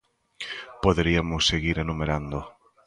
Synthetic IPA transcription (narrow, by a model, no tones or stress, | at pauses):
poðeɾiamʊsːeɣiɾenumeɾand̪o